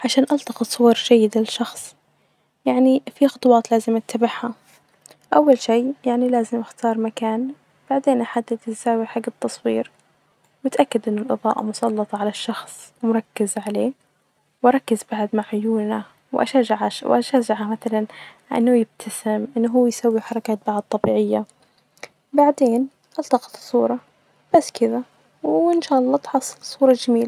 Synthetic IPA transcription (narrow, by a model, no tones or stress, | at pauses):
ʕaʃaːnʔɑlt̪ɑqɑt̪sˤʊwɑɾˤd͡ʒajːɪd̪ɪʃɑxsˤ | jaʕnifixʊt̪ˤwɑːt̪laːzɪmʔat̪ːabaħha | ʔawːalʃiːjaʕnilaːzɪmʔɪxt̪ɑːɾˤmakaːn | b̥aʕd̪eːnʔaħad̪ːat̪ɪsaːwiħaɡːɪb̚t̪ːɑsˤwḭːɾ | wɪt̪ʔakːad̪ʔɪnːʊlʔɨðˤɑ̰ːʔɑ̰mʊsˤɑlːɑt̪ˤɑʕalaʃːɑxsˤmʊɾˤɑkːɪzʕaleː | wʔɑɾˤɑkːɪzbaʕad̪maʕʕʊjuːlna | wʔa̰ʃaːʒaʕawʔaʃaːʒaʕamaθalanʕa̰nːʊjɪb̚t̪ʰasɪmʔɪnːɦuːjsawːiħɑɾˤɑkaːt̪̚baʕad̪̚t̪ˤːɑbiːʕɪjːa | baʕd̪eːn | ʔɑlt̪ɑqɑ̥t̪sˤːuːɾˤɑ | b̥asːkɪða | wɪnʃaːʔɑlˤːɑːt̪ħɑsˤːɨlsˤuːɾˤɑd͡ʒamiːla